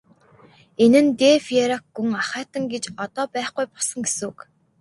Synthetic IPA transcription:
enɘ̆nt̪eːfieɾakɡuŋaχæːt̪ə̆ŋɡet͡ɕɔt̪ɔːpæːχɡujpɔ̥sə̆ŋɡesuːk

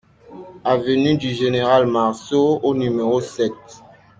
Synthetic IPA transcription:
avənydyʒeneʁalmaʁsoonymeʁosɛt̚

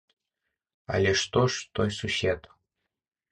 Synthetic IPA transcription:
a̰lʲeʂt̪oʂt̪ojsuɕet̪

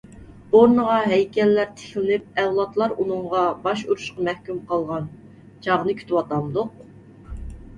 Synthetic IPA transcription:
oɾnəʁɑɦɛjkʲʰɛlːæɾt̪ʰe̥xlɪnɪp̚ɛwlˠɑt̪lˠɑɾunɨŋʁɑbɑʃuɾuʃqɑmɛhkʲymqɑlˠʁɑn | t͡ʃʰɑʁnɨkʲʰy̥t̪wɑt̪ɑmd̪ʊq̚

